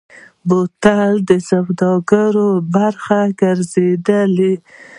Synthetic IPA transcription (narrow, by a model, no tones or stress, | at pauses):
bot̪ald̪əsabd̪ɑɡaɾobaɾxaɡəɾzed̪əle